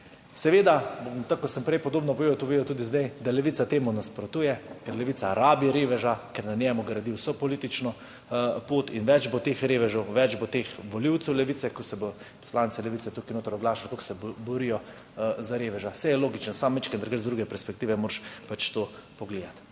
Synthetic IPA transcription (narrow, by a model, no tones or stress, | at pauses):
sɛʋeːd̪abt̪akːɔsəmpɾɛjpɔd̪oːbnɔpɔʋeːɔt̪ɔʋeːd̪ɔt̪uːd̪izd̪ɛjd̪alɛʋiːtsat̪eːmunaspɾɔt̪uːjɛkɛɾlɛʋiːt̪saɾaːbiɾeːʋɛʒakɛɾnanjɛmuɡɾad̪iwsɔpɔliːt̪it͡ʃnɔ | poːt̪inʋɛd͡ʒbot̪eːxɾeːʋɛʒɔwʋɛd͡ʒbot̪eːxʋɔliwt̪sɛwlɛʋit̪sɛkɔsɛbo | pɔ̥slaːnsɛlɛʋit̪sɛt̪ukinoːt̪ɐɾɔɡlaːʃalat̪oksɛbɔɾijɔ | zaɾeːʋɛʒasɛjɛloːɡit͡ʃnɔsaːmːit͡ʃkənd̪ɐɾkɡəɾzd̪ɾuɡɛpɛɾspɛk̚t̪iːʋɛmoːɾʃpat͡ʃt̪oːpɔɡleːd̪at̪